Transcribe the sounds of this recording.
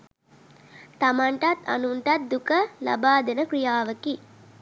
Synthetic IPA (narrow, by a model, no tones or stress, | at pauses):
t̪amaɳʈat̪a̰nuɳʈat̪̚d̪ukəla̰baːd̪enəkɾijaːʋəki